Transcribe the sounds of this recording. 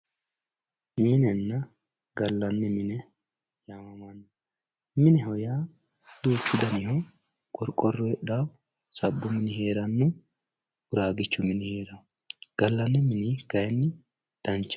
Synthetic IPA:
minɛnːɐ | ɡɐlːɐnːɪmɪnɛ | jamɐmɐnː | mɪnɛɦɔjaː | d̪̥uːt͡ʃːɪd̪ɐnɪhɔ | kʼɔɾkʼːɔrːɔɛᶑaːw | sɐbːʊmɪnɪhe̞ːɾɐnːʊ | ʊɾaːɡɪt͡ʃːʊmɪnɪhe̞ːɾɐ | ɡ̥ɐlːɐnːɪmɪnɪɡ̥ɐjɛnːɪ | d̪̥ɐnt͡ʃːɐ̥

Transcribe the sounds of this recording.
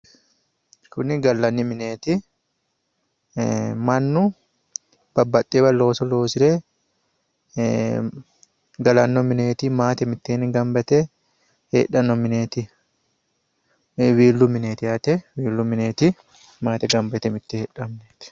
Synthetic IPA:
kʊnɪɡɐlːɐnːɪmɪneːt̪ɪ | mɐnːʊ | b̥ɐbːɐt̪ʼːeːbɐlo̞ːsɔlo̞ːsɪɾe | ɡɐlɐnːɔmɪne̞ːt̪ɪmaːt̪ɛmɪt̪ːeːnɪɡɐmbɛt̪ɛ | hḛːᶑɐnːɔmɪneːt̪ɪ | wiːlːʊmɪneːt̪ɪhɐt̪ɛwiːlːʊmɪneːt̪ɪ | maːt̪ɛɡɐmbɛt̪ɛmɪt̪ːɛhɛːᶑɐmneːt̪ɪ̥

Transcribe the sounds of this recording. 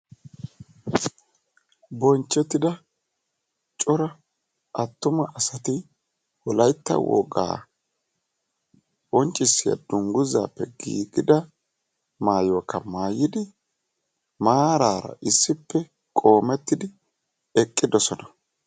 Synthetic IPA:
bɔnt͡ʃːɛt̪ːɪd̪ɐ | t͡ʃʼɔɾɐ | ʔɐt̪ːʊmɐʔɐsɐt̪ɪ | wɔlɐjt̪ːɐ̰wɔ̰ɡa̰ː | wɔnt͡ʃʼːɪsːɪjɐ̰d̪ʊŋɡʊza̰ːpːɛɡḭːɡɪd̪ɐ | maːjoːkːɐmaːjɪd̪ɪ | maːɾaːɾɐ̰ʔɪsːɪpːɛ | kʼo̞ːmɛt̪ːɪd̪ɪ | ɛkʼːɪd̪ɔsɔnɐ̥

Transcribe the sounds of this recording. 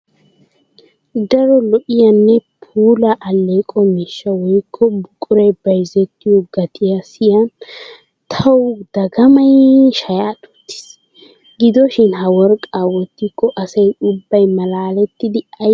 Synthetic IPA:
d̪ɐɾɔlɔʔɪjɐnːɛpʰuːlɐʔɐlːeːkʼɔmɪʃːɐwɔjkʰːɔbʊkʼʊɾɛjbɐjzɛt̪ːɪjɔɡɐt̪ʰɪjɐsɪjɐn | t̪ʰɐwd̪ɐɡɐmɐjʃɐjaːt̪u̥t̪ːɪ̥s | ɡɪd̪ɔʃɪnɦɐwɔɾkʼawɔt̪ːɪkːɔʔɐsɐjʊbːɐjmɐlaːlɛt̪ːɪd̪ɪɐ

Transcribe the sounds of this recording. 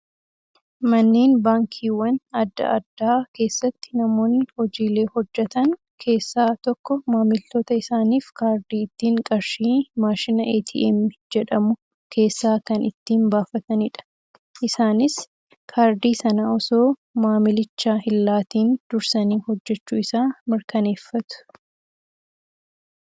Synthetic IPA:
mɐnːeːnbaːŋkʰiːwɐnɐd̪ːɐ̰ʔɐd̪ːaːke̞ːsːɐt̪ːɪnɐmo̞ːnːɪhɔd͡ʒiːle̞ːhɔd͡ʒːɛt̪ɐn | kʰe̞ːsːaːt̪ɔkːɔmaːmɪlt̪oːt̪ɐɪsaːniːfkaːɾd̪iːɪt̪ːiːŋkʼɐɾʃiːmaːʃɪnɐʔeːt̪ʰḭʔɛ̰mɪd͡ʒɛᶑɐmʊ | kʰe̞ːsːaːkɐnɪt̪ːiːnbaːfɐt̪ɐnɪᶑɐ̥ | ʔɪsaːnɪs | kʰaːɾd̪iːsɐnaɔsoːmaːmɪlɪt͡ʃːaːhɪlːaːt̪iːnd̪̥ʊɾsɐniːhɔd͡ʒːɛt͡ʃːuːɪsaːmɪɾkɐne̞ːfːɐt̪ʊ̥

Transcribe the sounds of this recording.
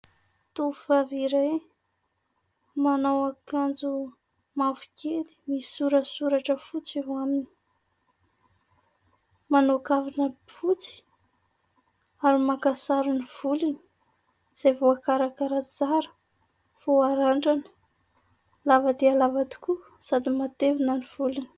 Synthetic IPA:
t̪uv̥aviɾe | manawakand͡zu | mavu̥keli̥misuɾəsuɾaʈ͡ʂəfut͡seɦwamini̥ | manokavinəfut͡si̥ | aɾimakasaɾuniv̥ulini̥ | z̥ajvoakaɾakaɾat͡saɾə̥ | v̥oaɾaɳɖ͡ʐanə̥ | lavad̪ealavad̪i̥ku | sad̪imat̪evinəniv̥uluni̥

